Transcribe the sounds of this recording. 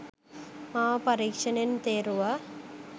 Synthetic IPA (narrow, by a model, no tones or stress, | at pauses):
maːpɐɾiːkʂɐnent̪eːɾuʋa